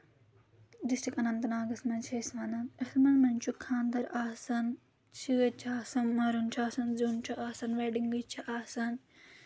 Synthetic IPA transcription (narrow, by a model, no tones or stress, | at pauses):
ɖisʈikɐnɐnt̪ɐnaːɡɐsmɐnt͡ʃʰesmɐnɐɐsɐmɐnmɐnʲt͡ʃʰukʰːãːnd̪ɐɾaːsɐn | t͡ʃʰiɡɐt͡ʃʰaːsɐnmɐɾunt͡ʃʰaːsɐnzuːnt͡ʃʰuʔaːsɐnʋeːɖiŋɡɐt͡ʃʰiʔaːsɐn